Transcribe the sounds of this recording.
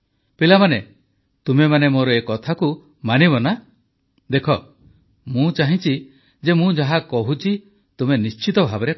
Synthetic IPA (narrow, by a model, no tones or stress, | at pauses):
pilamane | t̪umemanemoɾɔekɔt̪ʰaku | manibɔna | d̪ekʰɔ | mũt͡ʃaɦĩt͡ʃi | d͡ʒemũd͡ʒaɦakɔɦut͡ʃʰi | t̪umenist͡ʃit̪ɔbʱabɔɾe